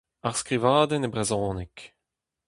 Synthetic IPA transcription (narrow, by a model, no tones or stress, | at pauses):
aʁskʁivaːd̪ɛnebʁɛzɔ̃ːnik